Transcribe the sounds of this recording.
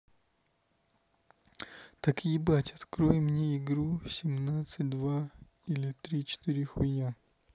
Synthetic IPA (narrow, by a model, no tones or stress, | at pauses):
t̪ɐkʲijbatʲɐt̪kɾojɪmnʲeɪɡɾusʲɪmnat̪sɨt̚ʲd̪va | ilʲɪt̪ɾʲit͡ɕɪ̥t̪ɨɾʲɪxʊjnʲa